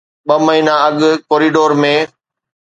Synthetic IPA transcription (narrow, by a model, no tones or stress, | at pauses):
ɓɐməɦiːnaɐɠkoːɾiːɖoːɾmẽː